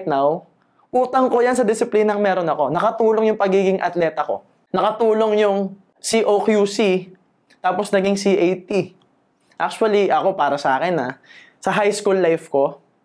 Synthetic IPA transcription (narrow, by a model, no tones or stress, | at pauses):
t̪̚naw | ʔuːt̪ɐŋko̞jansɐd̪ɪsɪpliːnɐŋmɛːɾonɐko̞nɐkɐt̪uːloŋjʊŋpɐɡiːɡɪŋʔɐ̰t̪lɛːt̪ɐko̞̰ | nɐkɐt̪uːlo̞ŋjʊŋ | siʔokjusi | t̪aːposnɐɡɪŋsiʔejt̪i | ʔak̚t͡ʃʊɐliʔɐko̞paːɾɐsɐʔaːkɛnɐ | sɐɦajskulːajfko̞